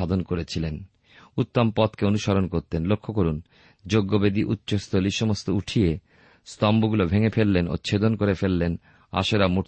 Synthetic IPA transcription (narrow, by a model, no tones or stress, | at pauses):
ad̪ʱonkoɾet͡ɕʰilen | ut̪ːompɔt̪keonuʃaɾonkoɾt̪enlokʰːokoɾun | d͡ʑoɡːobed̪iʔutːɕost̪ʰoliʃɔmost̪ouʈʰie | st̪ɔmbuɡulobʱeŋefelːeno̰t͡ɕʰed̪onkoɾefelːen | a̰ʃeɾamuʈ